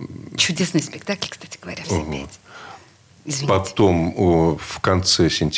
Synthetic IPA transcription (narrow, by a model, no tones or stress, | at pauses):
t͡ɕʊdʲesnɨjspʲɪk̚t̪aklʲkst̪ḁtʲɪɡəvɐ̰ɾʲav | ɪzvʲpɐt̪o̞mfkɐnt̪sɛsʲɪnʲtʲ